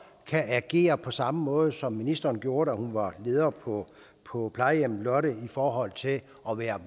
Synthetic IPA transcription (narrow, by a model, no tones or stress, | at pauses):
kʰææɡ̥e̝̰ːɐpʰɒ̽sɑ̈məmɔ̽ːð̞̩ˠsɒ̽mːinisd̥ɐːnɡ̥jo̝ːɐɾæhunʋɑ̈le̝ːð̞ˠɐːpʰɒ | pʰɒ̽pʰlɑ̈ɪjem̰lɒ̽ɾəifɒːɦɒ̽l̰t͡sʰe̝l | ʔɒ̽ʋæːɐ